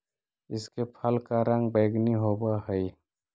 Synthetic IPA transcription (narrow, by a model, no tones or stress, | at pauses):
ɪskepʰəlkaɾə̃ŋɡbəɪɡniɦobaɦəi